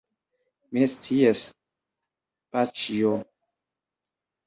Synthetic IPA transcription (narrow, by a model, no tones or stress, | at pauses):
minest͡sies | pat͡ʃio